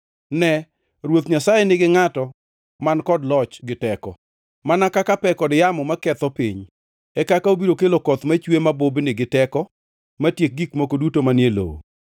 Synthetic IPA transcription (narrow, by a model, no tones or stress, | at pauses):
nɛ | ɾwot̪ɲasajenɪɡɪŋatɔ | mankɔdlɔt͡ʃɡɪtɛkɔ̰ | manakakapɛkɔdjamɔmakɛt̪ɔpḭɲ | ɛkakaobiɾokelokɔt̪mat͡ʃwemabobnɪɡɪtɛkɔ | matjek̚ɡikmokodutomanjelo̰o̰